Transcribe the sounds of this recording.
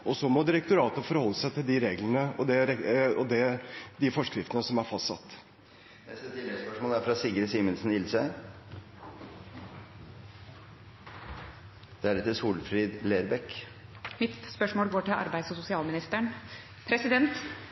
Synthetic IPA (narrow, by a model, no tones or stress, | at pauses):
ɔsɔmɔd̪ɪɾɛkt̪ʊɾɑːt̪əfɔɾhɔlːəsæɪt̪ʰɪld̪ɪɾeːɡlənəɔd̪ɛɾɛɔd̪ɛd̪ɪfɔʂkɾɪft̪ənəsɔmæɾfɑst̪sɑ̰t̪ː | ɛsɛt̪ɪlɛɡspœʂmoːlæɾfɾɑsiːɡəɾsiːmənsn̩ɪlsə | d̪̥ɛæɾɛt̪ːɪsuːlfɾiːd̪leːɾbɛkmɪt̪spœʂmoːlɡoːʈɪlʔɑ̰ɾbæɪ̥sɔsʊsɪɑːlmɪnɪst̪əɳ | pʰɾɛsɪd̪ɛnt̪